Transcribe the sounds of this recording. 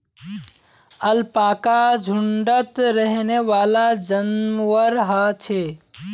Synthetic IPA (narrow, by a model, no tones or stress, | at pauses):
əlpaːkad͡ʒʱuɳɖət̪ɾəɦneʋaːlad͡ʒənʋəɾɦət͡ʃʰe